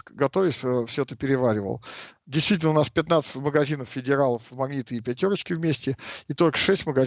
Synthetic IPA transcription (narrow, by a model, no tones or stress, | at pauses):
ɡɐt̪ovʲɪsʲəfsʲot̪əpʲɪɾʲɪvaɾʲɪvə̰lˠdʲɪjst̪vʲit̬ʲlnəʊnaspʲɪt̪nat̪sə̥tʲməɡɐzʲinəfːʲɪdʲɪɾalˠəfmɐɡnʲit̪ɨɪpʲætʲoɾət͡ɕkʲɪvmʲesʲtʲɪit̪o̞lʲkə̥ʂɛsʲtʲməɡɐ